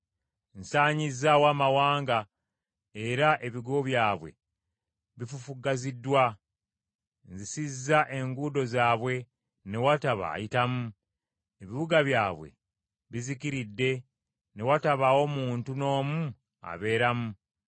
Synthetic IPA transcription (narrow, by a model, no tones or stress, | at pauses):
n̩saːɲizːawaːmawaːŋɡa | e̞ɾaʔe̞βiɡoβjaːβwe̞̰ | βifufuɡazidːwa | nzisizːaʔe̞ŋɡuːdo̞zaːβwe̞ | ne̞wataβa̰ːjitamu | e̞βiβuɡaβjaːβwe̞̰ | βizikiɾidːe̞ | ne̞wataβawo̞muːntuno̞ːmu | a̰βe̞ːɾamu